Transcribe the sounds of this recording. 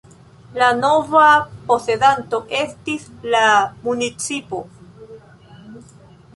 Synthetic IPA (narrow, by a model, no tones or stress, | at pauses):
lano̞vapo̞se̞danto̞ʔe̞stislamunit͡sipo̞